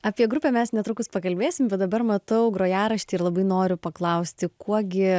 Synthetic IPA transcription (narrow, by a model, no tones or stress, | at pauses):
ɐːpʲiɛɡɾʊpʲɛːmʲɛsnʲɛt̪ɾʊkʊspɐkɐlʲbʲeːsʲɪmbʲɛt̪̚d̪ɐbɐɾmɐt̪ɐʊɡɾoːjæːɾɐʃʲt̪ʲiɪɾlˠɐbɐɪnoːɾʲʊpɐklˠɐʊsʲt̪ʲɪkuɔɡʲɪ